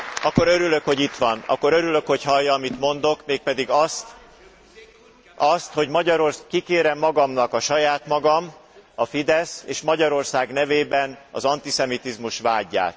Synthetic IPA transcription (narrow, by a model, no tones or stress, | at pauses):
ɒkːo̞ɾøɾyløkho̞ɟit̪ʋɒnɒ̰kːo̞ɾøɾylø̞kho̞chɒjːɒːmit̪mo̞nd̪o̞kmeːk̚pɛd̪iɡɒst̪ | ɒst̪ho̞ɟmɒɟɒɾorskikeːɾɛmːɒɡɒmnɒkɒʃɒjaːt̪mɒɡɒmɒfid̪ɛseːʃmɒɟɒɾo̞rsaːɡnɛveːbɛnɒ̰zɒnt̪isɛmit̪izmuʃʋaːɟːa̰ːt̪